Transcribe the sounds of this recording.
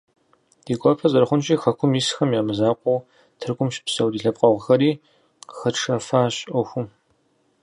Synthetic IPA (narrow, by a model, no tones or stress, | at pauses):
d̥iːɡʷʼɔpʰɐzɐɾχʷʊnt͡ʃʼiːxɐkʷʰʊmjisxɐmjaːmɨzaːqʷʼɔw | tʰɨrɡʷʊmʃɪ̥psɐwdiːɬɐp̚ʼqʼɐʁʷəxɐɾiː | xɐʈ͡ʂʰɐfaːɕʼɔxʷʊm